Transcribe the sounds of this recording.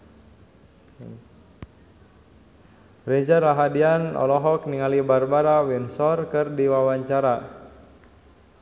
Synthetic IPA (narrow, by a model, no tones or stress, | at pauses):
red͡ʒaɾaɦadianɔ̰lɔɦɔkniŋalibarbaɾawinsɔrkərdiwawaɲt͡ʃaɾa